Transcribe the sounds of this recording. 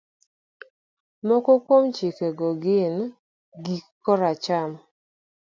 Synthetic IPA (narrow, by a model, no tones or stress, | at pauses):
mɔkɔkwomt͡ʃikeɡɔɡɪn | ɡikːɔɾat͡ʃam